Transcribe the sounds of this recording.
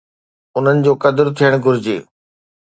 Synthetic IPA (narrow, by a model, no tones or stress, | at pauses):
ʊn̤ənɪ̆d͡ʑoːkɐd̪ɪɾt̪ʰijəɽ̃ɡʱʊɾɪd͡ʑḛː